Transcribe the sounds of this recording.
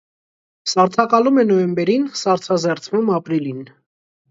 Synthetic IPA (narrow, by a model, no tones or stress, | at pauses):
sɑɾt͡sʰɑkɑlumɛnɔjɛmbɛɾinsɑɾt͡sʰɑzɛɾt͡sʰvumɑpɾilin